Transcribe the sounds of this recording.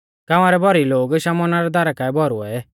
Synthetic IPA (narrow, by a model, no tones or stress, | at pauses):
kaʋaɾɛbʱɔɾiloːɡʃamɔnaɾɛd̪aɾakaɛbɔɾuɛ